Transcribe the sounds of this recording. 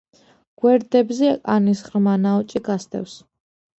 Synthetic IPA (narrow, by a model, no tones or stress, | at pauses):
ɡ̥wɛɾd̪ɛbzɛakʼanisχɾmanaɔt͡ʃʼiɡast̪ʰʼɛ̰fs